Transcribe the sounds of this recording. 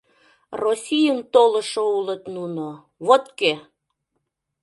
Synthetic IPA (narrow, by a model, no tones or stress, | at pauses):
rosʲijənt̪olə̆ʃoulət̪nuno | βot̪ke